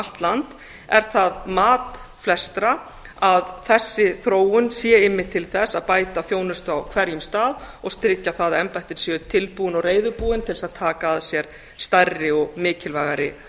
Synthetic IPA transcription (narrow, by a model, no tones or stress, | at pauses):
l̥t̪lant̪ | ɛɾ̥θaðmaːt̪flɛst̪ɾa | aðθɛsːɪθɾoːwʏnsjɛɪmːɪ̥t̪ʰːɪlθɛsːaðpaːjt̪afjoːwnʏst̪ʏawkʰvɛɾjʏmst̪aːðɔɣst̪ɾɪcːaθaðɛmpajt̪ɪɾ̥sjɛt̪ʰɪlpuːɪnɔɣreːjðʏɾpuːɪnt̪ʰɪlsaðt̪ʰaːkaðsjɛɾ̥ | st̪ajrːɪɔɣmɪːcɪlvajɣaɾɪ̰